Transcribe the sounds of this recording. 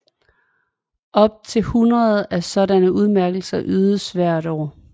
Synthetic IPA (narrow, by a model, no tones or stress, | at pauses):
ʔɒ̽b̥̚t͡sʰe̝lhunʁɐð̩ˠæsɒ̽ɾænəuð̞ˠmæɐɡ̥l̩sɐʔyːðˠəsʋæɐ̰ɾ̥ɒ̰ː